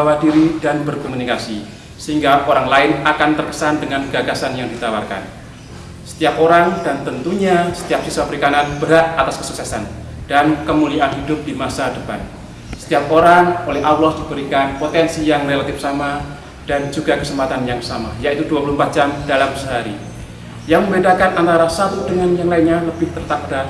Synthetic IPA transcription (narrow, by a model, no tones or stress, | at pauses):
awadiɾidanbərkomunikasi | səɦiŋɡaʔoɾaŋlaɪnakant̪ərkə̥sandəŋanɡaɡasanjaŋdit̪awa̰rka̰n | sə̥t̪iapoɾaŋd̥ant̪ənt̪uɲasə̥t̪iap̚siswapəɾikananb̥əɾaʔ̪at̪askə̥suk̚sɛsa̰nd̥ankəmulianɦidʊp̚dimasadəpa̰n | sə̥t̪iap̚oɾaŋolɛɦawlɔsd̥ibəɾikanpot̪ɛnsijaŋrelat̪ɪfsama | d̥and͡ʒuɡakəsəmpat̪anjaŋsama̰jait̪uduapuluhmpat̪̚d͡ʒamd̥alaməsəɦaɾḭ | jaŋməmbedakanʔant̪aɾasat̪udəŋanjaŋlainɲaləbɪht̪ərt̪ak̚d̥a